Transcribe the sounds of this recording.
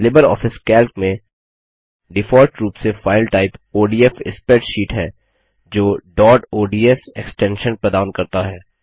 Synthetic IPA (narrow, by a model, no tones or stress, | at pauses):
lɪbəɾɔ̰ːfɪskɛːlkmẽ | ɖɪfɔːɾʈɾuːpsefaːɪlʈaːɪpoːɖiːɛfɪ̰spɛːʈʃiːʈɦɛː | d͡ʒoːɖɔːɖoːɖiːɛseksʈɛ̃ːnʃə̃npəɾd̪aːʊnkɐɾt̪aɦɛː